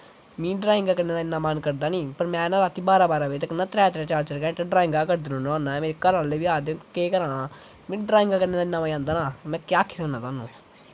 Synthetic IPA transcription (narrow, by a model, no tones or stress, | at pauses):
mĩːɖɾaːɪ̃ŋɡaːkənːeːnaːɪnːãːmənkəɾd̪aːnĩːpəɾmɛ̃ːnãːɾaːt̪ʰːiːbaːɾaːbaːɾaːʋeːt̪ːkənːãːt̪ɾɛːt̪ɾɛ̃ːt͡ʃaːɾt͡ʃəɾkɛ̃ːʈaɖɾaːɪ̃ŋɡaːkəɾd̪ɪnõːnõaːnːãɛmeːɾekəɾãːleːʋiaːd̪ẽkeːkəɾãː | mĩːɖɾaːɪŋɡaːkənːeːnaːɪnːaːmaːiãːnd̪aːnaːmɛ̃ːkjaːkʰːi̥ːsənãːt̪aːnũː